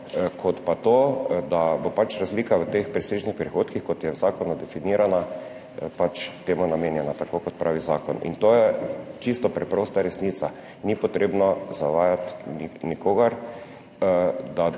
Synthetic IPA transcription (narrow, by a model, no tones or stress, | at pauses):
kʰɔt̪pat̪od̪abopat͡ʃɾazliːkaʋət̪expɾiseʒnixpɾixoːt̪kixkɔt̪jɛwzaːkɔnud̪ɛfiniːɾana | pat͡ʃt̪eːmɔnameːnjɛnat̪akokɔt̪̚pɾʔaːʋiza̰ːkɔnḭnt̪oːjɛt͡ʃist̪ɔpɾɛpɾoːst̪aɾɛsniːt̪sa | nipɔt̪ɾeːbnɔzaʋaːjat̪ninikoːɡaɾ | d̪a